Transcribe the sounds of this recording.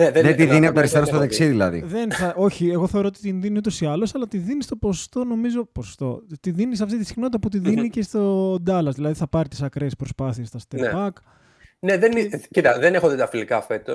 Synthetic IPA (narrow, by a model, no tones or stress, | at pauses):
neðeðent̪iðiniɐpot̪ɐɾist̪eɾost̪oðeksiðiðilɐ̰ðḭðenθɐo̞çieɣo̞θe̞o̞ɾoot̪it̪inðiniut̪̬o̞siɐlo̞sɐlɐt̪iðinist̪o̞po̞so̥st̪o̞no̞mizo̞poso̥st̪o̞̰t̪iðinis̬ɐft̪it̪isi̥xnot̪it̪ɐput̪iðinicest̪od̪ɐlɐzðilɐðiθɐpɐɾit̪isɐkɾespɾo̞spɐθie̞st̪ɐst̪enebɐk | neðenicit̪ɐðenexot̪et̪ɐfilikɐfe̞t̪os